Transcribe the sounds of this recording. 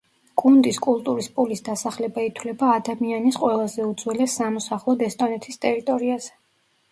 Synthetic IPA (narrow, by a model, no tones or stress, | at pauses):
ɡ̥ʼund̪iskʼulˠt̪ʼuɾispʼulisd̪asaχlɛbait̪ʰlɛbaːd̪amianisqʼwɛlˠazɛud̪zwɛlɛsːamɔsaχlˠɔd̪ɛst̪ʼɔnɛt̪ʰist̪ʼɛɾit̪ʼɔɾiaz̥ɛ